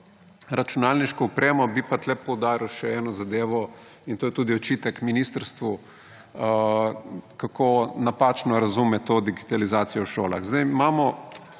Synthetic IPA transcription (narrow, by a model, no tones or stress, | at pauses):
ɾat͡ʃunaːlniʃkɔɔpɾʔeːmɔbipat̪lɛpɔwd̪aːɾiwʃɛɛːnɔzad̪eːʋɔ | int̪oːjɛt̪uːd̪iɔt͡ʃiːt̪ɛkminiːst̪əɾst̪ʋu | kakʰonapaːt͡ʃnɔɾazumɛt̪oːd̪iɡit̪alizaːt̪sijɔwʃoːla̰ɣzd̪ajmaːmɔ